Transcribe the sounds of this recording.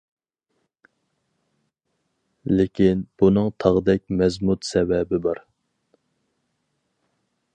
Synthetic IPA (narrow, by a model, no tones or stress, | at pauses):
lɪkʲʰinb̥unɨŋt̪ʰɑʁəd̪ɛk̚ʲmɛzmut̪sɛvɛbɪbɑɾ